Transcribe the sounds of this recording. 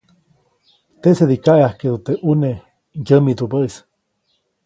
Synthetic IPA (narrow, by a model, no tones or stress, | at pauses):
t̪eseðikaʔeahkeðut̪eʔune | jəmid̪ubəis